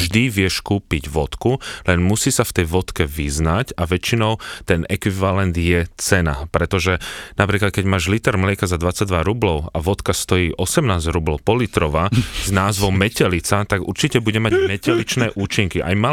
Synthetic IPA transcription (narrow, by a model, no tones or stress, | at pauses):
ʒd̪iʋɪɛʃkuːpiɟʋɔt̪kulɛnmusiːsaft̪ɛjʋɔt̪kɛʋiznacaʋɛt͡ʃinɔʊt̪ɛnʔɛkʋiʋalɛnd̪jɛt͡sɛna̰pɾɛt̪ɔʒɛnapɾiːklat̪̚kɛɟmaːʒlit̪ɛɾmlɪɛkazad̪ʋat͡saɟ̚d̪ʋaɾublɔʊaʋɔt̪kast̪ɔjiːʔɔsɛmnaːzɾublɔʊpɔlit̪ɾɔʋaznaːzʋɔʊmɛcɛlit͡sat̪aɡṵɾt͡ʃicɛbuɟɛmaɟmɛcɛlit͡ʃnɛːʔuːt͡ʃiŋkiʔa̰jma